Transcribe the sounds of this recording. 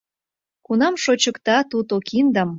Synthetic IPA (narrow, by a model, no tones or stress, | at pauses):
kunɑmʃot͡ɕə̆kt̪ɑt̪ut̪okʰind̪ɑm